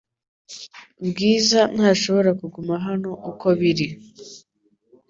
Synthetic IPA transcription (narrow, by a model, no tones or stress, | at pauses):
bɡiːzan̥haːʃo̞βo̞ɾakuɡumaɦano̞ʔuko̞βiɾi